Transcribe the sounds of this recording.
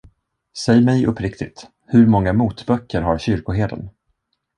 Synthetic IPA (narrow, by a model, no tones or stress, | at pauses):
sɛjmɛjɵpʰːɾɪkt̪ɪt̪ | hɵɾmɔŋːamuːt̪bœkʰːəɾɦaɾɕʏɾkʊɦeːd̪ə̰n